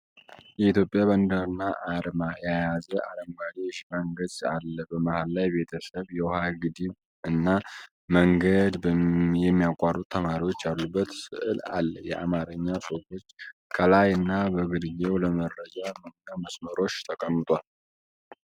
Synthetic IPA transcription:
jɛit̪ʰjo̞pʼjaβənd̪əɾɨnːaʔaɾmajajazəʔaɾəmɡad͡ʒeʃmaŋɡəd̪alːəbəmahalːajbe̞t̪ʰəsəβjɛwɔhaɡɨd̪iβ | ɨnːa | məŋɡəd̪bəjɛmːijakʼarut̪t̪ʰːəmaɾiwo̞t͡ʃːjalːubːət̪sɨ̰ʔɨla̰lːəjɛʔamaɾɨɲːasofo̞t͡ʃːkʰəlajɨnːabəɡɨd̪jewləmərːəd͡ʒaməəməsməɾo̞t͡ʃːt̪ʰəkʼəmːɨt̪ʼal

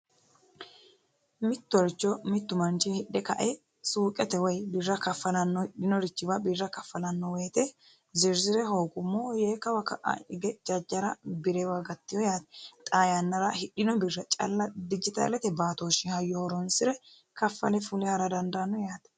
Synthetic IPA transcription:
mɪt̪ːʊɾt͡ʃːɔmɪt̪ːʊmɐnt͡ʃɪhɪɗːɛkɐʔɛ | suːkʼɛt̪ɛwɐjbɪrːɐkɐfːɐlɐnːɔhɪɗɪnɔɾɪt͡ʃːɪbɐbɪrːɐkɐfːɐlɐnːɔweːt̪ɛ | zɪɾzɪɾɛɦo̞ːɡʊmːɔjeːkːɐwɐkɐʔɐ̰ɪɡɛd͡ʒɐd͡ʒːɐɾɐbɪɾɛwɐɡɐt̪ːɪjɔjaːt̪ɛ̥t̪ʼaːjɐnːɐɾɐhɪɗːɪnɔbɪrːɐt͡ʃʼɐ̰lːɐd̪ɪd͡ʒɪt̪a̰lɛt̪ɛbaːt̪oːʃɪhɐjːɔhɔɾɔnsɪɾɛ | kɐfːɐ̰lɛfʊlɪhɐɾɐd̪ɐnd̪anːɔjaːt̪ɛ̥

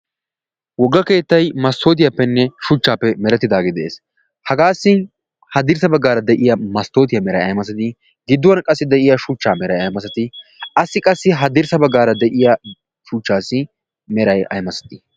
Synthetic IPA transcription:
wɔɡːɐke̞ːt̪ːɐjmɐst̪o̞ːt̪̬ɪjapːɛnːɛʃʊt͡ʃːaːpːɛmɛɾɛt̪ːɪd̪aːɡɪd̪ɛʔeːs | hɐɡaːsːɪ | hɐd̪ɪɾsɐbɐɡːaːɾɐd̪ɛʔɪjɐmɐst̪o̞ːt̪ɪjɐmɛɾɐjɐ̰jmɐsɐt̪ɪ | ɡɪd̪ːʊwɐnkʼɐsːɪd̪ɛʔɪjɐʃut͡ʃːaːmɛɾɐjɐjmɐsɐt̪ɪɐsɪkʼɐsːɪɦɐd̪ɪɾsɐbɐɡːaːɾɐd̪ɛʔɪjɐ | ʃuːt͡ʃːaːsɪ | mɛɾɐjɐ̰jmɐsɐ̥t̪ɪ̥

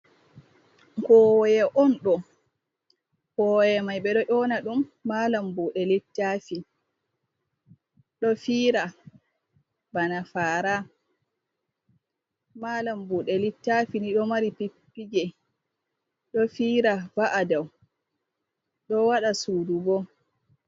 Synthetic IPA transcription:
kɔwjɛʔɔnɗɔ | kɔjɛmajɓɛɗɔʔɔnaɗumːalambuɗɛlitːafini | ɗɔfiːɾa | banafaːɾa | malambuɗɛlitːafiniɗɔmaɾipipːiɡɛ | ɗɔfiːɾabaʔadaw | ɗɔwaɗasuːdubɔ

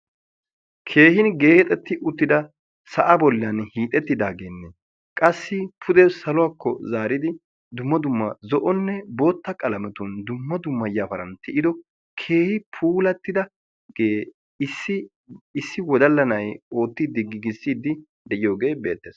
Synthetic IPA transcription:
kʰe̞ːhɪnɡeːhɛt̪ʼɛt̪ːɪʔʊt̪ːɪd̪ɐ | sɐʔɐbɔlːɪjanhiːt̪ʼɛt̪ːɪd̪aːɡenːɛ | kʼɐsːɪpʰʊd̪ɛsɐlʊwaːkːɔ̰zaːɾɪd̪ɪ | d̪ʊmːɐd̪ʊmːɐzɔʔɔnːɛbo̞ːt̪ːɐkʼɐlɐmɛt̪ʊnd̪ʊmːɐd̪ʊmːɐjafɐɾɐ̰nt̪ɪʔɪd̪ɔ | kʰe̞ːhɪpʰuːlɐt̪ːɪd̪ɐ | ɡeː | sɪ | ɪsːɪwɔd̪ɐlːɐnɐjo̞ːt̪ːɪd̪ɪɡːɪɡɪsːiːd̪ːɪ | d̪ɛʔɪjo̞ːɡe̞ːbe̞̰ːt̪ːɛs

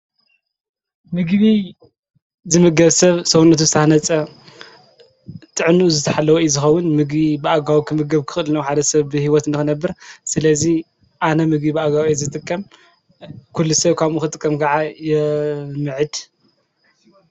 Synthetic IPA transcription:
mɨɡβi | zɨmɨɡɐβsɐβsɐwunːɐt̪ʰuzɨt̪ʰahnɐt͡sʼɐ | t̪ʼɨʕnuʔuzɨt̪ʰɐħalːɐwojzɨxɐwːʊnmɨɡbibɨʔaɡawikʰɨmɨɡɐβkʰɨ̥xʼɨlɨnɐwħad̪ɐsɐβbɨhiwɔt̪ɨnd̪ɨxɨnɐbːɨɾsɨlɐzi | ʔanɐmɨɡbibɨaɡawjezɨt̪ʼɨkʼːɐm | kʰulːusɐβkʰaβʔuxɨt̪ʼɨkʼːɐmɡaʕajɛmɨʕɨd̪

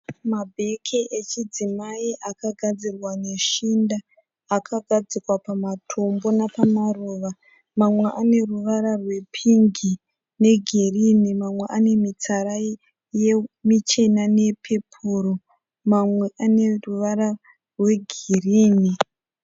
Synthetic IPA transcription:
mabʱe̞kʰiʔet͡ʃid͡zimaiʔakaɡʱad͡zirwane̞ʃindaː | kʰaɡʱad͡zikwapamatʰo̞mbo̞napamaruːʋa | mamwe̞ʔane̞ruʋaɾarwe̞pʰiŋɡi | ne̞ɡʱerinimamwe̞ʔane̞mit͡saɾai | jemit͡ʃe̞nane̞pʰe̞pʰuro | mamwe̞ʔane̞ruʋaɾa | rwe̞ɡʱeriːni

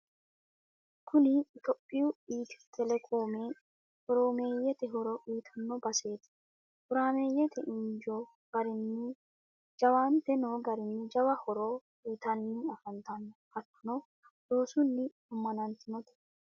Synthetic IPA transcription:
kʰʊnɪɪt̪ɔpʼːɪjʊiːt̪ɪ̥t̪ʰɛlɛkʼoːme | hɔɾomeːjɛt̪ɛɦɔɾɔʔiːt̪ʰɐnːɔbɐse̞ːt̪ɪ̥ | hʊɾaːme̞ːjɛt̪ʰɛʔɪɲd͡ʒɔ | ɡ̥ɐɾɪnːɪ | d͡ʒɐwaːnt̪ɛnoːɡɐɾɪnːɪd͡ʒɐwɐhɔɾɔ | iːt̪ɐnːɪɐfɐnt̪ɐnːhɐt̪ːʊnɔ | doːsʊnːɪ | ʊmːɐnɐnt̪ɪnɔt̪ɛ̥

